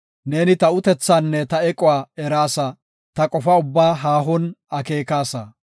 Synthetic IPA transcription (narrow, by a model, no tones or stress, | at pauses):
ne̞ːnɪt̪ɐʊt̪ɛt͡sːanːɛt̪ɐɛkʼɔwaːɛɾaːsɐ | t̪ɐkʼɔfɐʊbːaːɦaːɦɔnɐke̞ːkaːsɐ